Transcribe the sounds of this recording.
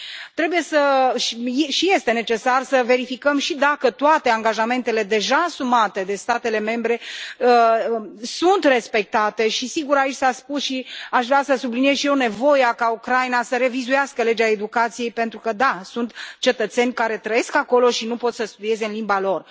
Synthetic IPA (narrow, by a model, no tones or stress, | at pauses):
t̪ɾe̞buje̞səʃjʃije̞st̪e̞ne̞t͡ʃe̞sarsəve̞ɾifikəmʃid̪akət̪oat̪e̞aŋɡaʒame̞nt̪e̞le̞d̪e̞ʒaːsumat̪e̞d̪e̞st̪at̪e̞le̞me̞mbɾe̞ə | sunt̪re̞spe̞k̚t̪at̪e̞ʃisiɡuɾait͡ʃʲsaspusʃiaʃvɾeasəsublinije̞zʃije̞wne̞vo̞jakaukɾajnasəɾe̞vizujaskəle̞d͡ʒaed̪ukat̪sije̞jpe̞nt̪ɾukəd̪asunt̪t͡ʃe̞t̪ət̪se̞nʲkaɾe̞t̪ɾəje̞skako̞lo̞ʃinupo̞t̪səst̪ud̪ie̞zeɨnlimbalo̞r